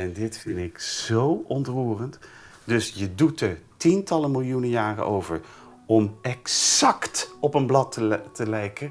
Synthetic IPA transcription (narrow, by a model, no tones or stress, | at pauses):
ɛndɪtfɪndɪkz̥owɔntruːrənt | dɵsjədutəɹtintɑləmɪlˠjunəjaːrə̰ʔowvəɹ | ɔmɛksɑktɔpənblɑtətəlɛjkə